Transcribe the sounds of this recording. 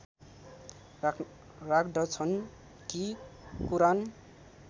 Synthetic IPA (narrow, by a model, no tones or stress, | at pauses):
rakɖʌt͡sʰʌn | kikuɾan